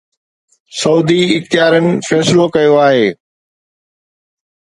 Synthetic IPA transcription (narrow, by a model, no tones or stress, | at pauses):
sɐuːd̪iɪxt̪ɪjaːɾənɪ̆fɛːslokɐjoaːɦeː